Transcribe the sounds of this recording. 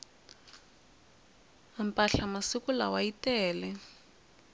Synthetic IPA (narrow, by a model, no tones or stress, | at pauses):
ampʼaɬamasikula̰waitɛːlɛ